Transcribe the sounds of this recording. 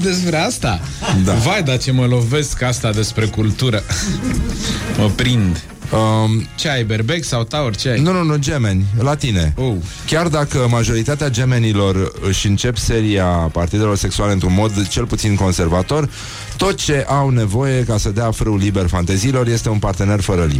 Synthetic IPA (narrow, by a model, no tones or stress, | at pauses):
d̪e̞spɾeast̪ad̪avajd̪at͡ʃe̞məlo̞ve̞skast̪ad̪e̞spɾe̞kult̪uɾə | məpɾind̪ | ət͡ʃeajberbe̞ksawt̪aorʲt͡ʃeajnununud͡ʒe̞me̞nʲlat̪ineow | kʲard̪akəmaʒo̞ɾit̪at̪ead͡ʒe̞me̞nilo̞rɨʃʲɨnt͡ʃe̞pse̞ɾiapart̪id̪e̞lo̞rse̞ksualeɨnt̪ɾunmo̞d̪t͡ʃe̞lput̪sinko̞nse̞rvat̪o̞r | t̪o̞t̪̚t͡ʃe̞ʔawne̞vo̞je̞kasəd̪eafɾɨwliberfant̪eziːlo̞rje̞st̪e̞unpart̪e̞ne̞rfəɾəlḭ